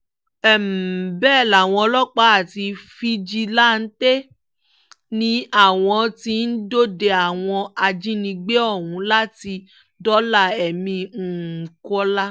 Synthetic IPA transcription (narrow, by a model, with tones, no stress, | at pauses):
ɛ˨m̩˨bɛː˦˨la˨w̃ɔ̃˧lɔ˦k͡pa˨˦a˦˨ti˧fi˦d͡ʒi˧la˦n̩˦te˦ | nĩ˧˦a˦˨w̃ɔ̃˧ti˧n̩˦do˦de˧a˨w̃ɔ̃˧a˧d͡ʒĩ˦nĩ˧ɡ͡be˦ɔ˦˨hũ˨˦la˦ti˧ | dɔ˦la˦˨ɛ˨mĩ˧˨kɔ˦la˦